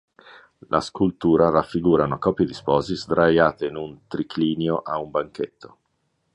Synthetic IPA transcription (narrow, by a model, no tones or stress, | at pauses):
lʔa̰skult̪uːɾarafːiɡuːɾanoakɔːpjid̪ispɔːzizd̪ɾajaːt̪einunt̪ɾikʰliːnjoʔaumbaŋket̪ʰːo